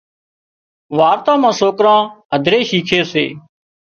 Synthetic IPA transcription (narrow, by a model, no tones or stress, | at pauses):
ʋaːɾt̪ãːmãːsoːkɾãːɦəd̪ʱɾeːʃiːkʰeːsḛː